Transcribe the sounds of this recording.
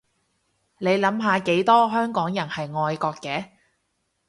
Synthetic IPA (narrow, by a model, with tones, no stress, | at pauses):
ne˨˧jlɐ˨˥mɦaː˨˧ke˨˥jt̪ɔː˥ɦœː˥ŋkɔː˨˥ŋjɐ˨˩nhɐ˨jŋɔː˧jkɔː˧kːɛː˨˥